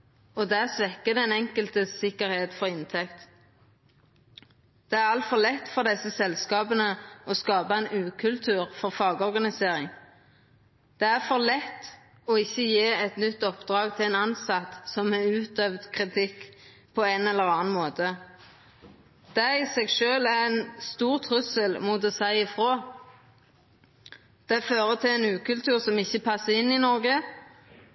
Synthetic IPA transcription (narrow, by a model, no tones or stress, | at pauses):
ɔd̪æːʁsʋɛkːəd̪ɛɛnɛŋkəlt̪əsɪkːəɾheːt̪fɔʁɪnt̪ʰɛkt̪ | d̪̥ɛæʁɑlt̪fɔʁlɛt̪ːfɔʁd̪ɛsːəsɛlskɑːbənəɔskɑːbɑəɛɪnʉːkʰʉlt̪ʰʉːʁfɔʁfɑːɡəɔʁɡɑnɪseːʁɪŋ | d̪̥ɛæʁfɔʁlɛt̪ː | ɔɪçːəjeːɛt̪nʏt̪ːɔpd̪ʁɑːɡt̪ʰɪlɛɪnɑnsɑt̪sɔmɛʉːt̪øːʋd̪kʰʁɪt̪ʰɪkː | pʰɔænɛlːəʁɑːɑnmoːt̪ə | d̪̥ɛæɪsɛɡʃøːlæʁɛnst̪uːʁt̪ʰʁʉsəlmʊt̪ɔsæɪɪfʁoː | d̪̥ɛæføːʁət̪ʰɪlɛnʉːkʉlt̪ʰʉːʁsɔmɪçːəpʰɑsːəɪnːɪnɔʁɡə